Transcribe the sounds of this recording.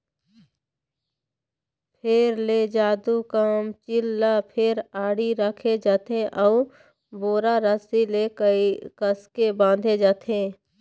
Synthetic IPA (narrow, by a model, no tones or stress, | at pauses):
pʰɪɾled͡ʒaːd̪ukaːmt͡ʃɪlːapʰɪɾaːɽiɾəkʰed͡ʒaːt̪eʔɔː | boːɾaɾəsilekəikəskebãːd̪ʱed͡ʒaːt̪ʰẽː